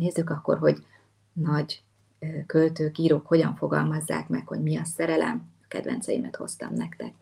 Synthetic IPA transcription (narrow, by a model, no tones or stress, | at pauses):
neːzːykɒkːo̞̰rɦo̞ɟ | nɒɟ | kø̞lt̪øːkiːɾoːkho̞ɟɒɱfo̞ɡɒlmɒzːa̰ːkmɛkho̞ɟmiɒsɛɾɛlʔɛ̰mɒkɛd̪ʋɛ̰nt̪sɛjimɛt̪ho̞̰st̪ɒ̰mnɛkt̪ɛk